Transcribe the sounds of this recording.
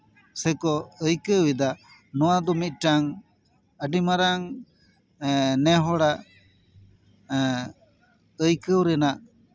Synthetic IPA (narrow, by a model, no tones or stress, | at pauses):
sɛkɔəjkəwwid̪a | nɔwad̪ɔmit̪̚ˀʈaŋ | əɖimaɾaŋ | nɛɦɔɽaʔ | əjkəwɾɛnaʔ